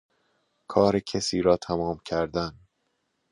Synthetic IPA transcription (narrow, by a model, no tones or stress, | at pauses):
kʰɒːɾecʰesiːɾɒːt̪ʰæmɒːmcʰæɾd̪æn